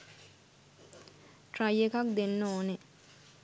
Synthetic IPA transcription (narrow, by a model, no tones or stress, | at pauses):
ʈɾajekak̚d̪enːoːne